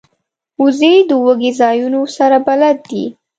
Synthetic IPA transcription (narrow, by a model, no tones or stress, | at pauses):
uzejd̪əwəɡezɑjunosaɾabalad̪ːḭ